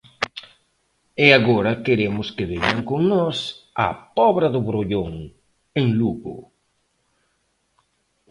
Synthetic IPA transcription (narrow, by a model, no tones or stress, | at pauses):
eaɣɔɾɐkeɾemʊskɪβeɲaŋkoŋnɔsa̰pɔβɾɐðʊβɾoʎoŋ | eŋluɣʊ̰